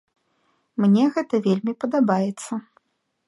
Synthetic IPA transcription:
mnʲɛɣɛt̪ɐvʲelʲmʲipɐd̪abajɛt̪sːɐ

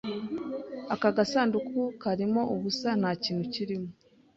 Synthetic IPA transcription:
akaɡasaːndukukʰaɾimo̞ʔuβusan̥haːciːnhuciɾimo

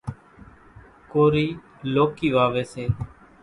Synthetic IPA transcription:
koːɾiː | loːkiːʋaːʋeːseː

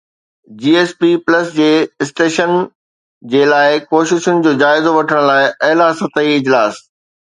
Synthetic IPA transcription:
d͡ʑiːeːspiplɐsd͡ʑeːɪsʈeːʃən | d͡ʑeːlaːɪkoːʃɪʃʊnɪ̆d͡ʑoːd͡ʑaːɪzoʋɐʈʰəɽ̃laːɪʔɐɦlasɐt̪əiɪd͡ʑlaːs

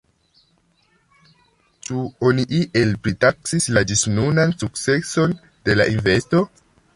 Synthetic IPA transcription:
t͡ʃuoniʔiʔe̞lpɾitaksislad͡ʒisnunansukt͡se̞so̞n | d̥e̞la̰ʔinve̞sto̞

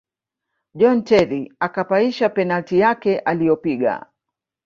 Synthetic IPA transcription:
ʄɔntɛɾiakapaiʃapɛnaltijakɛʔalijɔpiɠa̰

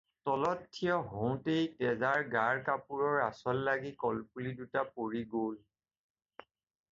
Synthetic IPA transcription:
tɔlɔtʰːijɔɦow̃tejtɛzaɹɡaɹkapuɹɔɹasɔlːaɡikɔlpulidutapoɹiɡol

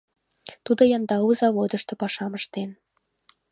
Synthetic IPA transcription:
t̪ud̪ojɑnd̪ɑuzɑβod̪ə̆ʃt̪ɤ̆pɑʃɑməʃt̪en

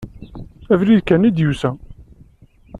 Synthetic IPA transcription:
ævɾiðkænid̪jusæ

